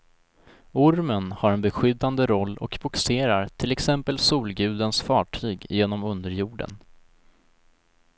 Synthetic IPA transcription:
ʊɾmənhaɾɛnbɛɧʏd̪ːand̪əɾɔlːɔ̰kbʊkseːɾaɾt̪ʰɪlɛksɛmpəlsuːlɡʉ̟ːd̪ənsfɑːʈʰyːɡjeːnɔmɵnd̪əɾjuːɖə̰n

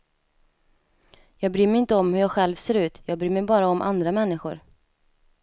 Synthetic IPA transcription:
jɑːɡ̚bɾyːmɛɪnt̪əɔmhɵɾjɑːɡɧɛlvseːɾʉ̟ːt̪jɑːɡ̚bɾyːmɛjbɑːɾaɔmʔa̰nd̪ɾamɛnːɪɧʊɾ

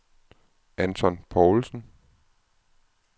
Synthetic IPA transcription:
ænt͡sʰɒ̽npʰɒʊlsn̩

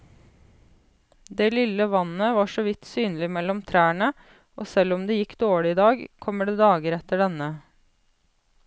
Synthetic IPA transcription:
d̪eːlɪləʋɑnəʋɑːʂɔʋɪt̪syːnəlɪmɛlːɔmt̪ʰɾæːɳə | oːsɛlɔmd̪eːjɪkːd̪oːɭɪɪd̪ɑːɡkʰɔmːəɖeːd̪ɑːɡəɾɛt̪əɖɛnə

